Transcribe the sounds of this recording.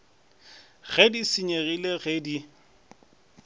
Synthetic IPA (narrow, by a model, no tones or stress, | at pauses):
ɣedisiɲeɣileɣedi